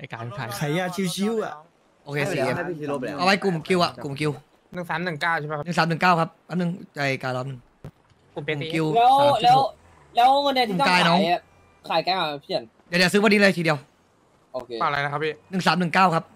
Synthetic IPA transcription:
ʔa˧˩kaː˨˧˩nkʰa̰ː˨˩˦jkʰa˧˩ja˧˩t͡ɕʰi˧˥˩t͡ɕʰi˧˥˩wa˧˩ | ʔoː˧kʰeː˧siː˧˨e˧˩˧ʔa˧wa˦˥jku˨˩mki˧wʔa̰˨˩ʔku˨˩mki˧w | nɯ˨˩ŋsaː˨˩˦mnɯ˨˩ŋkaː˥˩wʰma˦˥˧nɯ˨˩ŋsaː˩˦mnɯ˨˩ŋkaː˥˩wkʰa˦˥p̚ːa˦˥p̚nɯ˨˩ŋt͡ɕa˧˩jkaː˧jlɔː˦˥nɯ˨˩ŋ | u˨˩pe˧˨˩ki˧wlɛː˦˥wlɛː˦˥w | lɛː˦˥wa˧ni˧t̪i˧˨˩ɔ˥kaː˧jnɔː˦˥ŋ˨˩˧ | kʰaː˨˩˦jkaː˧˩˨pʰi˦˧˩ən | jaː˨˩dsɯː˦˥wa˧nːi˦˥lɤː˧jt̪ʰiː˧di˧əw | ʔo̰ː˧˩kʰe˧aː˨˩la˧jna˦kʰa˦˥pʰːiː˥˩nɯ˨˩ŋsaː˨˩˦mnɯ˨˩ŋkaː˥˩wkʰa˦˥p̚

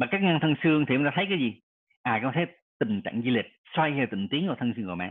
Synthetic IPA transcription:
maː˨˩kaː˦˥k̚ŋa˧ŋt̪ʰə˧ŋsɨ˧əŋt̪ʰi˨˩hŋ͡mt̪aː˧˨˦jkaː˨˦jzi˨˩ | ʔaː˨˩kaː˧˥t̪ʰe˨˦˥ | t̪ï˨˩ŋt͡ɕa̰ː˧˨ŋzi˧li˨˩t̚swa˧jhɛː˧˩wt̪ḭ˧˨ŋt̪i˨˦əŋku˧˩t̪ʰə˧ŋsɨ˧ŋku˧˩ma̰˧˨

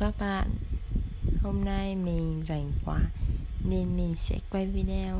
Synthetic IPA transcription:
kaː˦˥k̚ɓa̰ː˧˨n | ho˧mna˧jmi˨˩ŋza˨˩jŋ̟kwaː˨˧˦ne˧nmi˨˩ŋsɛ̰˧˥kwa˧jvi˧˦ɗe˧

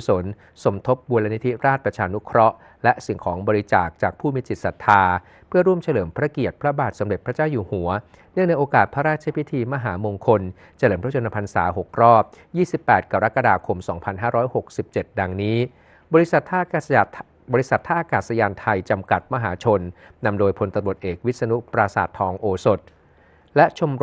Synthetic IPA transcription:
u˧so˨˩˦n | so˩˦mt̪ʰo˦˥p̚bu˧lːa˧ni˦˥t̪ʰi˦˥ɾaː˥˩t̪̚pɾa˧t͡ɕʰaː˧nu˦˥kʰɾɔ˦˥ʔ | lɛ˦˥ʔsi˨˩ŋkʰɔː˩˦ŋbɔː˧ɾi˧˦t͡ɕa̰ː˨˩k̚t͡ɕaː˨˩k̚pʰuː˥˩mi˦˥t͡ɕi˨t̪̚sa˨˩t̪ʰaː˧ | pʰɯ˥˩ɐɾu˥˩əmt͡ɕʰa˧lɤː˩˦mpʰɾa˦˥ki˨˩ət̪̚pʰɾa˦˥baː˨˩t̪̚sa˩˦ɾe˨˩t̪̚pʰɾa˦˥t͡ɕaː˥˩wjuː˨˩hu˩˦ɐ | nɯ˥˩əŋda˧jʔoː˧kaː˨˩t̪̚pʰa˦˥ɾaː˥˩t̪̚t͡ɕʰa˧˦pʰi˦˥t̪ʰiː˧ma˧ɦaː˩˦moː˧ŋkʰo˧n | t͡ɕʰa˧lɤː˩˦mʰpɾa˦t͡ɕo˧nːa˧pʰa˧nsa̰ː˩˦ɦo˨˩k̚ɾɔː˥˩p̚jiː˥˩si˨˩pːɛː˨˩t̪̚ka˧ɾa˦˥ka˧daː˧kʰo˧msɔ̰ː˩˦ŋpʰa˧nɦaː˥˩ɾɔː˦˥jho˨˩k̚si˨˩p̚t͡ɕe˨˩t̪̚da˧ŋniː˦˥ | bɔː˧ɾi˦˥˨t̪ | ɔː˧ɾi˦˥sa˨˩t̪ʰːaː˥ʔa˧kaː˨˩sa˧jaː˧nt̪ʰa˧jt͡ɕa˧mka˨˩t̪̚ma˦˧ɦaː˩˦t͡ɕʰo˧nːa˧mdoː˧jpʰo˧nt̪a˧mɾu˨˩ət̪̚ʔeː˨˩k̚wi˦˥sa˧nu˦˥pɾaː˧sa̰ː˨˩t̪ʰːɔː˧ŋʔoː˧so˨˩t̪̚ | lɛ˦˥t͡ɕʰo˧m

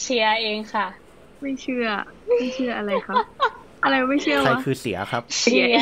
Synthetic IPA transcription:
si˨˧˥ɐʔeː˧ŋkʰa˥˩ | ma˥˩jt͡ɕʰɯ˥˩ɐmma˥˩jt͡ɕʰɯ˥˩ɐʔa˧ɾa˧jjkʰa˦˥p̚ | ʔa˧ɾa˧jma˥˩jt͡ɕʰɯ˥˩ɐa˧jkʰɯː˧si˩˦ɐkʰɾa˦˥p̚si˧

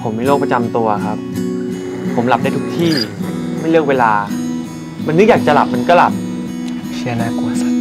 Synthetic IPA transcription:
pʰo˩˦mːa˥˩jloː˥˩k̚pa˧t͡ɕa˧mt̪u˧ɐxʰa˦˥p̚ʰː | o˩˦mla˨˩p̚daː˥˩jt̪ʰu˦˥k̚t̪ʰiː˥˩ma˥˩jlɯ˥˩ək̚weː˧laː˧ | ma˧nːɯ˦˥k̚jaː˨˩t͡ɕa˨˩la̰˨˩p̚ma˧nkɔː˥˩la˨˩p̚ | sʰi˧˥naː˧˥˩ku˨˩ə˩sa˨˩

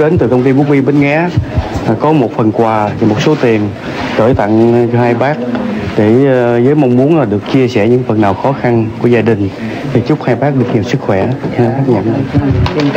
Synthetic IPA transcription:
ɗe˨˦nt̪ɨ˨˩kə˧wŋ͡mt̪i˧ɓu˦˥k̚mi˧ɓe˨˧˦nŋaː˨˦˨ | kɔ˨˦mo˨˩t̚fə˨˩nkwaː˨˩i˨˩mo˨˩t̚so˨˦t̪i˨˩ən | kəː˧˩jt̪a̰˧˨ŋhaː˧jɓaː˦˥k̚ɗe˧˩zəː˨˦jma˧wŋ͡mmu˨˦ənlaː˨˩ɗɨ˨˩ək̚t͡ɕi˧əsɛ˧˩ɲɨ̰˧˥ŋfə˨˩nːaː˨˩wxɔ˨˦xa˧nku˧˩zaː˧ɗï˨˩ŋ̟t̪ʰi˨˩t͡ɕʊ˦˥k͡p̚haː˧jɓaː˦˥k̚ɗɨ˨˩ək̚ɲi˨˩əwsɨ˦˥k̚xwɛ˧˩a˨˦ɓaː˦˥t̚ɲə̰˧˨n˧

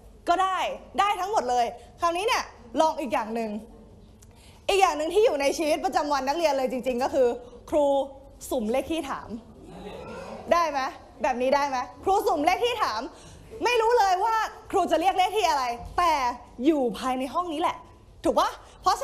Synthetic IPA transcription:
kɔː˥˩daː˥˩jdaː˥˩jt̪ʰa˦˥ŋmo˨˩t̪̚lɤː˧jkʰa˦˥˩wniː˦˥ni˦˥˩ɐəlɔː˧ŋʔiː˨˩k̬̚jaː˨˩ŋnɯ˨˩ŋ | ʔiː˨˩k̚jaː˨˩ŋnɯ˨˩ŋt̪ʰiː˥˩juː˨˩na˧jt͡ɕʰiː˧wt̪̚p̬ɾa˧t͡ɕa˧mwa˧nːa˦˥k̚ɾi˧ənlɤː˧jt͡ɕi˧ŋt͡ɕi˧ŋkɔː˥˩kʰɯː˧kʰɾuː˧ | su˨˩˦mle˥˩k̚t̪ʰiː˥˩a̰ː˩˦m | daː˥˩jma˦˥j | bɛː˨˩p̚niː˦˥daː˥˩jma˦˥jkʰɾuː˧su˨˩˦mle˥˩ək̪̚ʰiː˥˩t̪ʰaː˩˦mː | a˥˩jɾuː˦˥lɤː˧jwaː˥˩kʰɾuː˧t͡ɕa˨˩ɾi˥˩ək̚le˥ək̚t̪ʰiː˥˩ʔa˧ɾa˧jt̪ɛː˨˩ | juː˨˩pʰaː˧jna˧jɦɔ˥˩ŋniː˦˥lɛ˨˩ʔ | t̪ʰuː˨˩k̚a˥˩ | pʰɔ˦˥

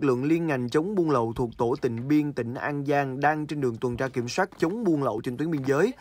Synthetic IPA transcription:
k̚lɨ̰˧˨əŋli˧ənŋa˨˩jŋ̟t͡ɕə˨˦wŋ͡mɓu˧ənlə̰˧˨wt̪ʰu˨˩ək̚t̪o˧˩t̪ï˧˩˨ŋ̟ɓi˧ənt̪ï˧˩ŋ̟ʔaː˧nzaː˧ŋɗaː˧ŋt͡ɕe˧nɗɨ˨˩əŋt̪wə˨˩nt͡ɕaː˧ki˧˩əmswaː˦˥t̚t͡ɕə˨˦wŋ͡mɓu˧ənlə̰˧˨wt͡ɕnt̪wi˨˦mɓi˧ənzəː˨˦j

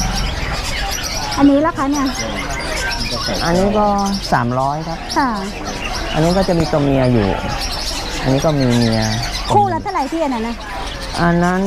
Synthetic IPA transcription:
ʔa˧nːiː˦˥la˦˥˩kʰa˦˥ni˥˩ɐ | a˧˩t͡ɕa˧˩se˨˩˦ʔa˧nːiː˦˥kɔː˥˩saː˩˦mɾɔː˦˥jkʰa˦˥p̚kʰa˥˩ | ʔa˧nːiː˦˥kɔː˥˩t͡ɕa˨˩miː˧t̪o˧mmi˧ɐjṵː˨˩ | ʔa̰˧nːiː˦˥kɔː˥˩miː˧ni˧ɐkʰuː˥˩laː˦˥t̪ʰa˥˩˨la˨˩jt̪ʰiː˥˩ʔa˧nːa˧˥˩nːa˦˥˩ | ʔa˧nːa˦˥n

